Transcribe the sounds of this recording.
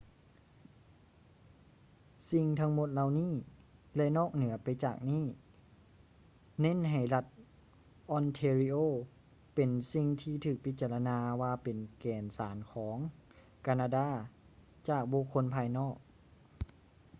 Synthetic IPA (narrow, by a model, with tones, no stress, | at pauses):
si˧ŋt̪ʰa˧˥ŋmo˧t̪̚la˧wniː˥˩lɛ˧nɔː˥˩k̚nɯ˨˩˦ɐpa˨jt͡ɕa̰ː˨˩k̚niː˥˩ | ne˧˥˨nɦa˨˩jla˧t̪̚ | ʔɔ˧nt̪ʰeː˧ɾi˧ʔoː˧˩ | pe˨˩nsi˧ŋt̪ʰiː˧t̪ʰɯː˨˩k̚pʰi˧˦t̪̚t͡ɕa˧la˧naː˧waː˧pe˨nkɛː˨˩nsaː˩˦nkʰɔː˩˦ŋ | kaː˧naː˧daː˧˥˨ | t͡ɕaː˨˩k̚bu˧kʰːo˧˥npʰaː˧jnɔː˥˩k̚